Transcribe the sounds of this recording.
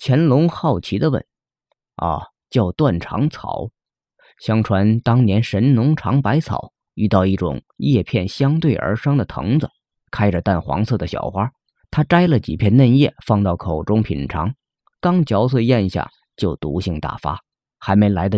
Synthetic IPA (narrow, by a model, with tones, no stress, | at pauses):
t͡ɕʰjɛ˧˥nlʊ˧˥ŋxɑ˥˩ʊt͡ɕʰi˧˥d̪ə˧wə̰˥˩n | ə̰˧˩ | t͡ɕjɑ˥˧ʊt̪wa˥˩nʈ͡ʂʰɑ̰˧˥ŋt͡sʰɑ̰˨˩˦ʊ | ɕjɑ˥ŋʈ͡ʂʰwa˧˥nt̪ɑ˥ŋnjɛ˧˥nʂə˧˥nnʊ˧˥ŋʈ͡ʂʰɑ˧˥ŋpa˧˥ɪt͡sʰɑ̰˨˩˦ʊ | y˥˧t̪ɑ˥˧ʊi˥˩ʈ͡ʂʊ̰˨˩ŋ | jɛ˥˧pʰjɛ˥˩nɕjɑ˥ŋt̪we˥˩ɪʔə̰˞˧˥ʂɑ˥ŋd̪ə˨t̪ʰɤ̰˧˥ŋd͡zə˨ | kʰa˥ɪʈ͡ʂə˨t̪a˥˩nxwɑ̰˧˥ŋsɤ˥˩d̪ə˩ɕjɑ̰˨˩ʊxwa˥ | t̪ʰa˥ʈ͡ʂa˥ɪlə˨t͡ɕḭ˨˩pʰjɛ˥˧nnə˥˧njɛ˥˩fɑ˥˧ŋt̪ɑ˥˩ʊkʰo˨˩ʊʈ͡ʂʊ˥ŋpʰḭ˨˩nʈ͡ʂʰɑ̰˧˥ŋ | kɑ˥ŋt͡ɕjɑ˧˥ʊs̬we˥˧jɛ˥˧nɕja̰˥˩ | t͡ɕjo˥˩ʊt̪ṵ˧˥ɕi˥˧ŋt̪a̰˥˩fa̰˥ | xa˧˥ɪme˧˥ɪla˧˥ɪd̪ə˧